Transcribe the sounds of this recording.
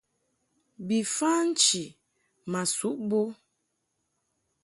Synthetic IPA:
bi˨fa˦n̩˦t͡ʃi˨ | ma˨su˨˦ʔbo˦

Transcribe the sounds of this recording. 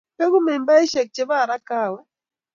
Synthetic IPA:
pe˦ɡu˦mɛ˨mba˦i˦ʃɛ˨k̚t͡ʃe˨ba˦˨ɾa˦ka˦˨wɛ˦

